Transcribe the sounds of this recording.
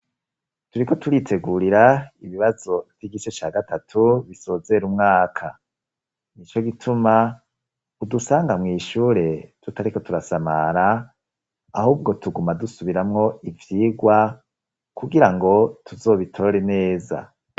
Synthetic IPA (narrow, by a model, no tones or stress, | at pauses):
tuɾiko̞tuɾitʰe̞ɡuɾiɾaiβiβazo̞v̥jiɡiʃet͡ʃaːɡatatʰuβiso̞ːze̞ɾumŋaːkʰa̰ | nit͡ʃo̞ɡitʰuma | udusaːŋɡamŋiːʃuːɾe̞tutaɾiko̞tuɾasama̰ɾaː | huːb̚ɡo̞tuɡumadusuβiɾamŋo̞ivjiːɡwa | kuɡiɾaŋɡo̞tʰuzo̞ːβitʰo̞ɾe̞ne̞ːza̰